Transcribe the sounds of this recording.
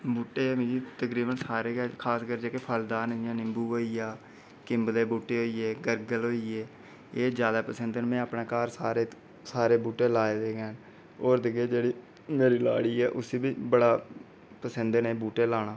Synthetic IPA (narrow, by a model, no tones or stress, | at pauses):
buːʈːeːmɪ̃d͡ʒiːt̪əkɾiːbənsaːɾeːkʰaːskəɾd͡ʒeːkepʰəld̪aːnjãːnɪ̃mbuːɦoːiːjaː | kɪmbd̪eːbuːʈːeːɦoːiːeːɡəɾɡəlɦoːiːeː | eːd͡ʒjaːd̪aːpəsənd̪ənmɛ̃ːapnaːkaːɾsaːɾeː | saːɾeːbuːʈeːlaːeːd̪eːɡɛːn | oːɾd̪ɪɡeːd͡ʒeːɽiː | meːɾiːla̰ːɽiːɛːʔʊseːbiːbəɽaː | pəsənd̪neːbuːʈeːlaːnaː